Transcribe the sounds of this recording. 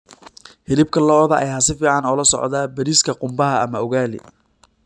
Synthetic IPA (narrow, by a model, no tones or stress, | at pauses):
hɪlɪb̚kʰɐlɔːðɐʔɛ̰jasɪfiːʕɑnɔːlɐsɔ̰ʕd̪aːbɐɾiːskʰɐqʊmbɐɦɐɐmɐʊɣaːlɪ̰